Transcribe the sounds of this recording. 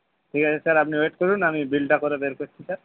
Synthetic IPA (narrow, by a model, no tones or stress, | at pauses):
ʈʰikat͡ɕʰesaɾapniweʈkoɾunamibilʈakoɾebeɾkoɾt͡ɕʰisaɾ